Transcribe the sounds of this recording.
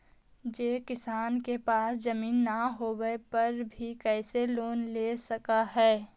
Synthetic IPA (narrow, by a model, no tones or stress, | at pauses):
d͡ʒeːkɪsaːnkepaːsd͡ʒɐmiːnːaɦoːwepɐɾbʱikɛːseloːnleːsɐkaɦɛː